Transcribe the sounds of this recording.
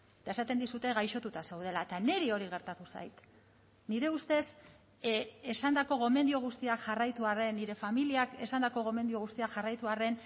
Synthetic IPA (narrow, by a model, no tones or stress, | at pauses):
et̪aesat̪e̞nd̪isut̪e̞ɣajʃo̞t̪ut̪ase̞wð̞e̞laet̪ane̞ɾio̞ɾiɣ̞e̞ɾt̪at̪usa̰jt̪ | niɾe̞ust̪e̞s | e̞sand̪ako̞ɣo̞me̞nd̪ioɣ̞ust̪iakʝarajt̪uare̞nːiɾe̞familiake̞sand̪ako̞ɣo̞me̞nd̪ioɣ̞ust̪iakʝarajt̪uare̞n